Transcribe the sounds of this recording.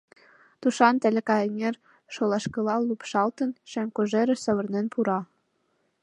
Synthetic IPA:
t̪uʃɑnt̪ɘ̆lʲĕkɑjenʲer | ʃolˠɑʃkɤ̆lɑlupʃɑlt̪ɤ̆nʃeŋkoʒeɾɘ̆sɤ̆βɤ̆rnenpuɾɑ

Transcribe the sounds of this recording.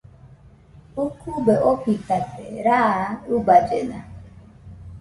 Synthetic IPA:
ukubeʔopitateɾaubad͡ʒena̰

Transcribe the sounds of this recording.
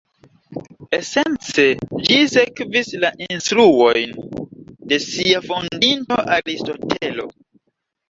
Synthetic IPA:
ese̞nt͡se̞d͡ʒisekvislaʔinstɾuo̞jn | de̞siafo̞ndinto̞ʔaɾisto̞tʰe̞lo̞̰

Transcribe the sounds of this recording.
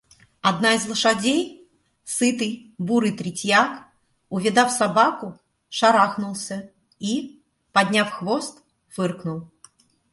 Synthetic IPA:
ad̪naizlˠɨʂad͡zʲej | sɨt̪ɨjbuɾɨjt̪ɾʲɪtʲjak | ʊvʲɪd̪afsabakʊ | ʂaɾaxnulˠsʲə | i | pad̪ʲnʲafxvɔst̪ | fɨrknulˠ

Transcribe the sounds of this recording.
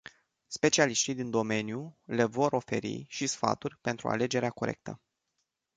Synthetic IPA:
spe̞t͡ʃialiʃt̪ijd̪ind̪o̞me̞njule̞vo̞ɾo̞fe̞ɾḭʃisfa̰t̪urʲpe̞nt̪ɾṵa̰le̞d͡ʒe̞ɾeako̞ɾe̞̰k̚t̪ə̰

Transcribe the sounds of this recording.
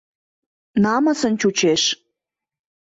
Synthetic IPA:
nɑməsə̆nt͡ɕut͡ɕeʃ

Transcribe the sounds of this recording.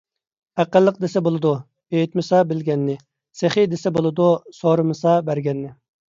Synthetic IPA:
æqəlˠːəq̚d̪esɛbolˠɨd̪u | ejit̪mɨsɑbɪlɡʲɛnːɪ | seχid̪esɛbolˠɨd̪usoɾɨmɨsɑbæɾɡʲɛnːɪ

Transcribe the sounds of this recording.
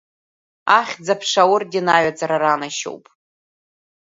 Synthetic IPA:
aχʲd͡zapʰʂawʊrdinaɥad͡zʼaɾaranaʃo̰wpʼ

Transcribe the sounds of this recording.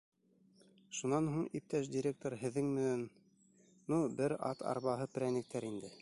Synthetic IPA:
ʃunɑnɦuɴip̚t̪æʃd̪ʲiɾʲek̚t̪oɾɦɘ̆ðːɘŋmɘ̆nænː | ubɘɾɑ̰t̪ʰɑ̰ɾβɑɦɤpɘ̆ɾænɘ̆k̚t̪æɾind̪ɘ

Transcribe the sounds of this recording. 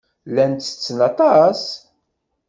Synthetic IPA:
lænt̪ːə̥t͡sːnɑt̪ˤɑs

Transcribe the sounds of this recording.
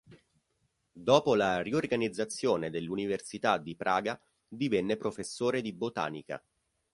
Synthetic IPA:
d̪ɔːpolariorɡanid̪zːat̪sːjoːned̪elːuniversit̪ad̪ipɾʔaːɡa | d̪ivɛnːepɾofesːoːɾed̪ibot̪a̰ːnḭka̰

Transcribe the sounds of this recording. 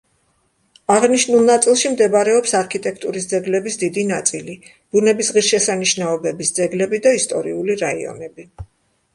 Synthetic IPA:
aʁniʃnulˠnat̪sʼilˠʃimd̪ɛbaɾɛɔpsaɾkʰit̪ʼɛkʰt̪ʼuɾisd̪zɛɡlɛbisd̪id̪inat̪sʼili | b̥unɛbisʁiɾʃɛsaniʃnaɔbɛbisd̪zɛɡlɛbid̪aist̪ʼɔ̰ɾiuliɾaḭɔ̰nɛbi

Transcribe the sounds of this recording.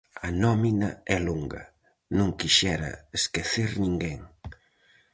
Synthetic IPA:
ɐnɔminɐɛluŋɡɐ̰ | nũŋkiʃɛɾɐ̰eskeθiɾnĩŋɡeŋ

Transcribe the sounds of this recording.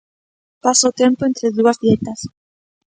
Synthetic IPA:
pasot̪jempoent̪ɾeðuazðjet̪as

